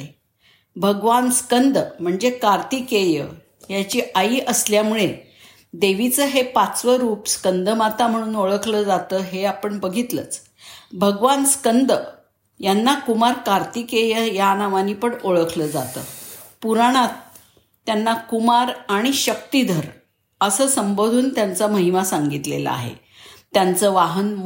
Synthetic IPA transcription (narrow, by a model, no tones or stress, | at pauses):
e | bʱəɡʋanskənd̪ʱəm̤əɳd͡zekaɾt̪iːkejə̰ | jat͡ɕiːʔaiːʔəsljamuɭe | d̪eʋit͡səɦepat͡sʋəɾuːpskənd̪əmat̪am̤əɽ̃uːnoɭəkʰləd͡zat̪əːɦeapəɳbəɡʱit̪lə̰t͡s | bʱəɡʋanskənd̪ə | janːakumaɾkaɾt̪ikejəjanaʋanipəɳoɭəkʰləd͡za̰t̪ə̰ | puɾaɽ̃at̪̚ː | janːakumaɾaɽ̃iɕək̚t̪id̪ʱəɾ | əsəːsəmbod̪ʱuːnt̪jant͡saməɦimasaŋɡit̪lḛlə̰a̰ɦḛ | t̪jant͡səːʋaɦən